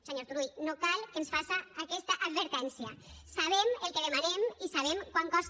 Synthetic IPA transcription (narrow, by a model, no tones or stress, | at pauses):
seɲoɾt̪uɾujnokalˠkensfasaːkɛst̪aʔad̪βəɾt̪ɛnsiəsaβ̞emelˠkeðemanemisaβ̞emkwaŋkɔs